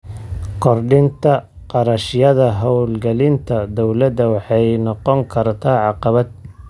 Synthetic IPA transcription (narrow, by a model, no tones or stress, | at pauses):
kʰɔrɖɪnt̪ʰɐ | qɑɾɐʃɪjɐðɐɦɔwlɡɐlɪnt̪ʰɐd̪ɔwlɐd̪ɐwɑħɑjnɔqɔŋkʰɐrt̪ʰaːʕɑqɑβɐd̪̚